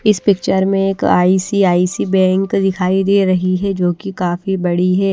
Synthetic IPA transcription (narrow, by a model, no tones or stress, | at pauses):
ɪspɪkt͡ʃəɾmẽeːka̰ːiːsiaːisibɛ̃ːŋkd̪ɪkʰaːid̪eːɾɐɦiɦɛd͡ʒoːkikaːfibɐɽiɦɛː